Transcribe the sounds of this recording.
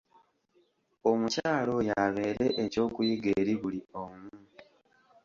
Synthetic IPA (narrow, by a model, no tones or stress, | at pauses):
o̞mucaːlo̞jaβe̞ːɾe̞ʔeco̞ːkujiɡe̞ɾiβuliomu